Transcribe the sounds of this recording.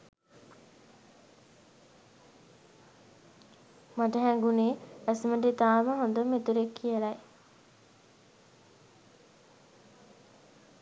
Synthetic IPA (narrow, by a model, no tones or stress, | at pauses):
maʈəɦɛŋɡuneːæsməʈet̪aːməɦõnd̪əmet̪uɾekʰːijəlaj